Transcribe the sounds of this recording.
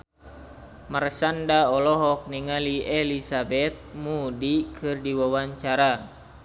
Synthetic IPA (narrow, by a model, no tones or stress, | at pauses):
mərsandaɔlɔɦɔk̚niŋaliɛlisabɛt̪̚mudikʰɨrdiwawaɲt͡ʃaɾa